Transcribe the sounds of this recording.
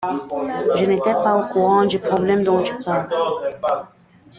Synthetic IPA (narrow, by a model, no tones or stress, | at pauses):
ʒənet̪ɛpaokuʁɑ̃d̪ypχɔblɛmd̪ɔ̃ʒypaːl